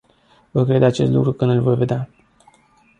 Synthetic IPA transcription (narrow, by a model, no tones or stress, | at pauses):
vəkɾe̞d̪at͡ʃe̞st̪lṵkɾukɨnd̪ɨlvo̞jve̞d̪ea